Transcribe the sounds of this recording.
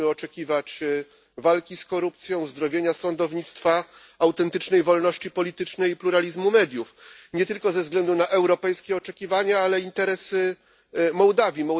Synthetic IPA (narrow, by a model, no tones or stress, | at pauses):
ɘɔt͡ʂɛkʲivat͡ɕ | valkʲiskɔɾup̚t̪sʲjɔ̃w̃zd̪ɾɔvʲjeɲasɔnd̪ɔvɲit̪st̪fa | awt̪ɛnt̪ɘt͡ʂnɛjvɔlnɔɕt͡ɕipɔlʲit̪ɘt͡ʂnɛjipluɾalʲizmumɛd̪ʲjufɲɛt̪ɘlkɔzɛvzɡlɛnd̪unaʔɛwɾɔpɛjskʲɛɔt͡ʂɛkʲivaɲaalɛint̪ɛɾɛsɘ | mɔwd̪avʲjimɔ